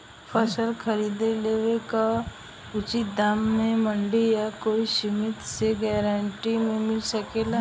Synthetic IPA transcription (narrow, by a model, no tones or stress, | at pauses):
pʰəsəlkʰəɾiːd̪eleʋeka | ʊt͡ʃit̪̚d̪aːmːẽmə̃ɳɖijakoːiʃɪmɪt̪seɡɛːɾaɳʈimẽmɪlsəkela